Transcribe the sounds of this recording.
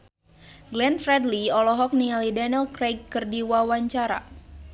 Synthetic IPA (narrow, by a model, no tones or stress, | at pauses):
ɡlɛnfɾɛdliɔlɔɦɔk̚nialidanɛlkɾejɡkːɨrdiwawaɲt͡ʃaɾa̰